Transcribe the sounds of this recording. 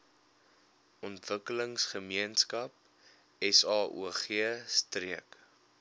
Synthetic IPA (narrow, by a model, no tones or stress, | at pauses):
ɔntvəkələŋsχəmiənskɐp̚ | ɛsɑːʔṵəχiəstriək